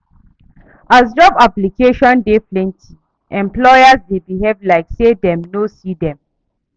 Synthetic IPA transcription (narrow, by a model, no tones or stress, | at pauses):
azd͡ʒɔbaplikeʃɔ̃ndeflɛ̃ntʰi | ʔɛ̃mplɔjazdebiɦevlaɪksedɛ̃mnosidɛ̃m